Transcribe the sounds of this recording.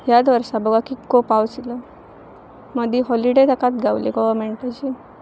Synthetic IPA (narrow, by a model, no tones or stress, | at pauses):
ɦjad̪ʋəɾsabəɡakikopawt͡silə | məd̪ʱiɦɔliɖed̪akat̪̚ɡʱaʋlḛɡɔʋəɾmeɳʈat͡ɕi